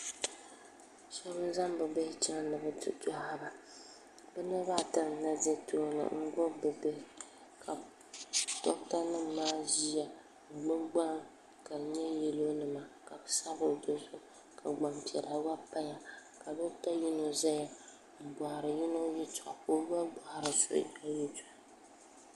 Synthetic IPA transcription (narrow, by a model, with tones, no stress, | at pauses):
sɛ˦bɨ˦za˦mbɨ˨bɛ˦t͡ʃa˦ŋ˦nɨ˨bɨ˦tɨ̰˦tɔ˦ha˨ba˨ | bɨ˦nɨ˦ba˦˨ta˨na˦ze˦tʰo˦nɨ̰˨ŋ̩˦ɡɔ˦bɨ˨be˨ | kʰa˨ | tɔ˦k̚ta˦nɨ˦mː˨aː˦ʒi˦ja˨ | ɡ͡bɨ˦ɡ͡ba˦ŋ | ka˨ɲɛ˦jɛ˨lo˦nɨ˨ma˨ka˨bɨ˦sa˦bɨ˨do˦zʊ˦ | kʰa˨ɡ͡ba˨mpi˨ɛ˨ɾa˨wa˦pa˦ja˨ka˨bɨ˦ta˦ji˦no˨za˦ja˨ | m̩˨ba˨ha˨ɾɨ˨ji˦no˦ji˦tɔ˨ʔko˦ba˦bɔ˨ha˨ɾɨ˨so̰˦i˦o˦ji˦tɔ˨